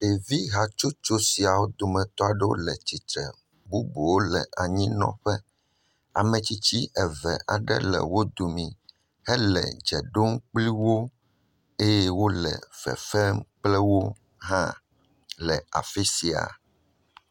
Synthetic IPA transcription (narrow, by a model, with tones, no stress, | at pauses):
e˨vi˦ɦa˨t͡ʃo˦t͡ʃo˦si˨a˨wo˦d̪o˨mɛ̃˨t̪ɔ˦a˨ɖɛ˦wo̰˦lɛ˨t͡ɕi˨t̪ɾɛ̰˨ | bu˦bu˨wo˦lɛ̰˨ʔa˨ɲĩ˦nɔ̰̃˦ɸɛ˦ | a̰˨mɛ̃˨t͡ɕi˦t͡ɕi˦ʔɛ˨vɛ̰˨ʔa˨ɖɛ̰˦lɛ̰˨wo˦d̪o˨mĩ˨ | hɛ˦lɛ̰˨d͡ʒɛ˨ɖo˦ŋ˦k͡pli˦wo˦ | e˦jɛ˦wo˦lɛ̰˨v̥ɛ̰˨fɛ˦mk͡plɛ˦wo˦ | ɦã˦ | lɛ˨a̰˨fɛ˦si˨a̰˨